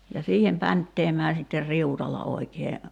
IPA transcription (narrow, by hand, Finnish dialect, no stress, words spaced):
jɑ siːhem pæntːeːmæː sitːer riutɑlːɑ oikeː